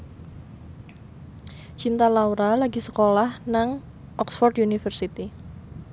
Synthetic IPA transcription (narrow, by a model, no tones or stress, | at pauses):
t͡ʃint̪alauɾalaɡisə̥kolahnaŋ | ʔɔksfɔrd̪junifərsit̪i